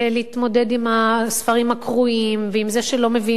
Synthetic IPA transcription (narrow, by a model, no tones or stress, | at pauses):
leit̪mo̞de̞dimasfɐʁimakʁuimveimzeʃelo̞mevi